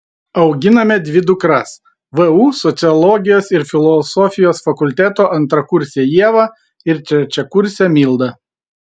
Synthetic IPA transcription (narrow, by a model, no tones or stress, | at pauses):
ɐʊɡʲɪnɐmʲɛd̪ʲʋʲɪd̪ʊkɾɐs | ʋɛuːsɔt̪sʲɪɔlˠɔːɡʲɪjoːsɪɾfʲɪlˠɔsɔfʲɪjoːsfɐkʊlʲt̪ʲæt̪oːʔɐnt̪ɾɐkʊɾʲsʲejiɛʋɐ | ɪɾt͡ʃʲɛt͡ʃʲɛkʊɾʲsʲɛmʲiːlˠd̪ɐ